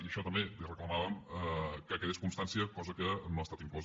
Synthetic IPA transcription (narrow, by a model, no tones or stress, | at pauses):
iəʃɔt̪əmbelirəkləmaβəməkəkɛʎeskunst̪ansiəkɔzəkənoəst̪at̪iŋklɔz